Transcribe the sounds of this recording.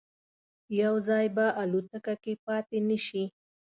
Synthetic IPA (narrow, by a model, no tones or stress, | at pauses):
jawzɑjbaʔalut̪əkakepɑt̪enəʃi